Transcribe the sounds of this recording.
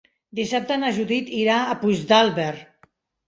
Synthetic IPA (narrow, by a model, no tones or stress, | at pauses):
d̪isap̚t̪anaʒuðit̪iɾaːpuʒd̪alˠβeɾ